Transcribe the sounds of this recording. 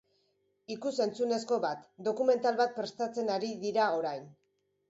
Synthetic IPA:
ikuse̞nt͡sune̞sko̞βat̪d̪o̞kume̞nt̪alβat̪̚pɾe̞st̪at͡se̞naɾiðiɾao̞ɾajn

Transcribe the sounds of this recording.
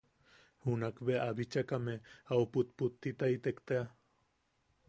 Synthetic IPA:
hunakbeʔabit͡ʃakameawput̪̚put̪ːit̪ajt̪ekt̪ea

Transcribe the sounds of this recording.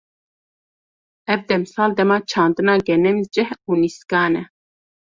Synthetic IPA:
ɛvd̪ɛmɨsɑːld̪ɛmɑːt͡ʃʰɑːnd̪ɨnɑːɡɛnɛmizd͡ʒɛhuniskɑːnɛ

